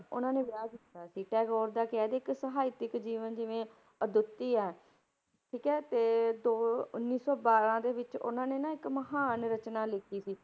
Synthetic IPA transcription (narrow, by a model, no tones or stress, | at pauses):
ʊ̰nãːneːʋɪaːɡɪt̪ːaːsiːʈɛːɡɔːɾd̪aːkɛːd̪eːɪksəɦaːɪt̪ɪkd͡ʒiːʋənd͡ʒɪʋẽː | əd̪ʊt̪ːiːɛː | ʈʰiːkɛːt̪eːd̪oːʊnːiːsɔːbaːɾãːd̪eːʋɪt͡ʃʊ̰nãːneːnãːɪkməɦaːnɾət͡ʃnaːlɪkʰiːsiː